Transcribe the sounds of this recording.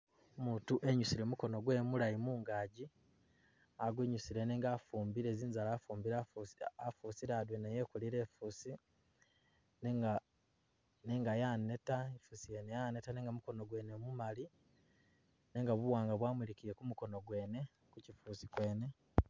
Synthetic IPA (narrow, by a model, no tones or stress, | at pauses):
omuːntuʔe̞ɲusiɾe̞muko̞no̞ɡwe̞ːmulajimuːŋɡaːɟi | aɡweɲusiɾe̞neːŋɡaːfuːmbiɾeːziːnzalafuːmbiɾaafuːsiɾaːdweneje̞ːkuliɾe̞ːfuːsi | neŋa | ne̞ːŋɡajaːne̞taefusijenejane̞tane̞ːŋɡamuko̞no̞ɡwe̞ːnemumali | ne̞ːŋɡaβuwaːŋɡaβwaːmwiɾikiɾekumuko̞noɡwe̞ːne̞ | kucifuːsikwe̞ːne̞